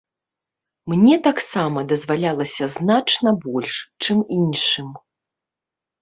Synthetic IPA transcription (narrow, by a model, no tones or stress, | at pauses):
mnʲɛt̪aksamɐd̪ɐzvalʲalˠɐsʲɐznat͡ʂnɐbɔlʲʂt͡ʂɨminʂɨm